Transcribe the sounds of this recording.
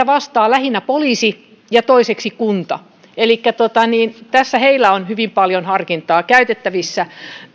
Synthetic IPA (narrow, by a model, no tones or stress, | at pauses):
æʋɑst̪ɑːlæhinːæpoliːsi | jɑt̪oiseksikunt̪ɑ | elikːæt̪ot̪ɑniːnt̪æsːæheilːˑæonhyʋimpɑljonhɑrkint̪ˑɑːkæyt̪et̪ːæʋisːæ